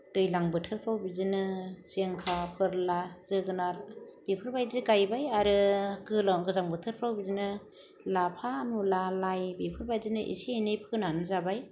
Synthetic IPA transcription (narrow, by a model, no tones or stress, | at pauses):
d̥ɯjlaŋbɯtʰɯɾpʰɾawbizɯnɯseŋkʰapʰɯɾlaz̥ɯɡɯnab̥ipʰɯɾbajzɯɡajbajaɾɯɡɯlaɡɯzaŋbɯtʰɯɾpʰɾawbizinɯ | lapʰamulalajbipʰɯɾbajzinɯʔḭsinɯjpʰɯnanɯzabaj